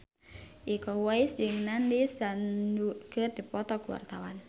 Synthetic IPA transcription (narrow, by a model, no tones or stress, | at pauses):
ʔikɔwajsd͡ʒɪŋnanlisdanuɡ̥ərd̪̥ipɔt̪ɔɡuwa̰rt̪awan